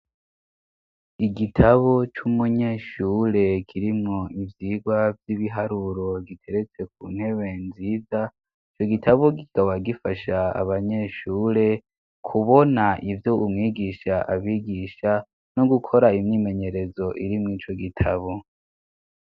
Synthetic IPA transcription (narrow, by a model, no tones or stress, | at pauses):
iɡitʰaβo̞t͡ʃumuɲe̞ʃuɾe̞kʰiɾimŋo̞ivjiːɡwavjiβiɦaɾuɾo̞ɡitʰe̞ɾet͡se̞k̚uːn̥he̞βe̞nziːza | it͡ʃo̞ɡitʰaβoɡikʰaβaɡifaʃaa̰βaɲe̞ʃuɾe̞ | kʰuβo̞naʔivjoʔumŋiːɡiʃaʔaβiɡiʃa | no̞ɡukʰo̞ɾaimɲiːme̞ɲe̞ɾe̞zo̞ʔiɾimŋiːt͡ʃo̞ɡitʰaβo̞